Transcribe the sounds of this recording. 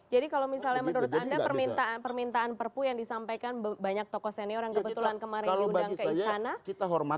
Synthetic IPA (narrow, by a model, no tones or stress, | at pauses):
d͡ʒadikalowmisalɲamənuɾʊt̪andapərmint̪apərmint̪aːnpərpujaŋdisampajkanbaɲak̚t̪ɔkɔsanioɾaŋkəbət̪ulankəmaɾɪlɡudaŋɡikəist̪anakit̪aɦɔrmat̪